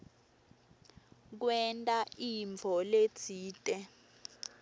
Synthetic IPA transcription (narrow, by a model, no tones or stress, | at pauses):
k̬wɛntʼaiɱvʱɔlet͡sʰiːtʼɛ